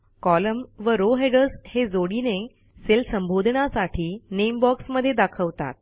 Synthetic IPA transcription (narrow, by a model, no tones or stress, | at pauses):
kɔləmʋəɾoɦeɖəɾshed͡zoɽine | selsəmbʱod̪ʱɳasaʈʰiːnembɔksməd̪ʱːjed̪akʰəʋt̪a̰t̪̚